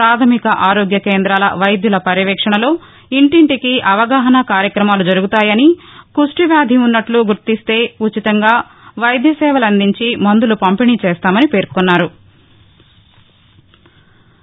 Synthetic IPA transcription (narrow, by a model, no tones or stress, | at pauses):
ɾaːt̪ʰɐmikɐʔaːɾoːɡjɐkeːnd̪ɾaːlɐ̰ʋɐjd̪julɐpɐɾiʋɛːkʂɐɳɐlo̞ː | iɳʈiɳʈikiʔɐʋɐɡaːɦɐnɐkaːɾjɐkɾɐmaːlud͡ʒɐɾuɡut̪aːjɐnikuʂʈiʋjaːd̪ʱiunːɐʈluɡuɾt̪ist̪e̞ːut͡ʃːit̪ɐŋɡaː | ʋɐjd̪jɐsɛːʋɐlɐnd̪iɲt͡ʃimɐnd̪ulupɐmpiniːt͡ʃɛːst̪aːmɐnipe̞ːɾkunːaːɾu